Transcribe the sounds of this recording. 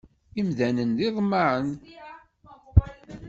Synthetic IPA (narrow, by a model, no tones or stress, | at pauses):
imðænənðiðˤmːaʕən